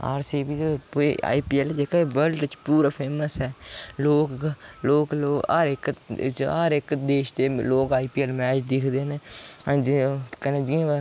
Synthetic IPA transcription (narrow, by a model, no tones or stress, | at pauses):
a̰ːɾsiːbiːt̪epːa̰ːipiːɛld͡ʒeːkaʋəlʈt͡ʃpuːɾaːpʰeːməsɦɛːloːkloːkloːa̰ɾɪkaɾɪkd̪eːʃt̪eːloːkaːiːpiːɛlmɛːt͡ʃd̪ɪkʰd̪eːneːd͡ʒkəneːd͡ʒiã